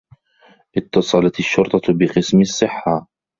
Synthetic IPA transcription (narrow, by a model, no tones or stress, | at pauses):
ʔɪt̪ːɑsˤɑlɑt̪aʃːʊɾt̪ˤɑbɪqɨsmɪsˤːɨħːa